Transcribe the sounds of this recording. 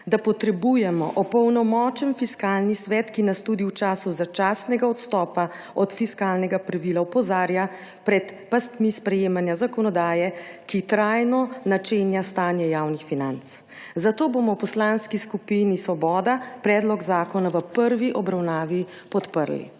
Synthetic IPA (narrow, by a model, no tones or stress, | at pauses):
d̪apɔt̪ɾɛbujɛmɔ̰ʔɔpɔwnɔmɔːt͡ʃɛnfiskaːlnisʋɛːt̪kinast̪ud̪iwt͡ʃaːsuzat͡ʃaːsnɛɡaɔt̪st̪ɔːpa | ɔt̪fiskaːlnɛɡapɾaʋilaupɔzaːɾja | pɾɛt̪past̪mispɾɛjeːmanjazakɔnɔd̪aːjɛkit̪ɾajnɔnat͡ʃeːnjast̪aːnjɛjawnixfinant̪s | zat̪oːboːmɔwpɔslanskiskupinisʋɔbɔːd̪apɾɛːd̪lɔɡzaːkɔnaʋəpəɾʋiʔɔbɾawnaːʋi | pɔt̪pəɾlḭ